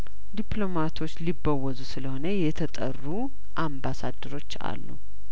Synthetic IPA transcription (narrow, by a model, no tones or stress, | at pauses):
d̪iplo̞mat̪ʰo̞t͡ʃːlibːəwːəzusɨləho̞nəjɛt̪ʰət̪ʼə̰rːu | ʔambasad̪ːəɾo̞t͡ʃːa̰lːṵ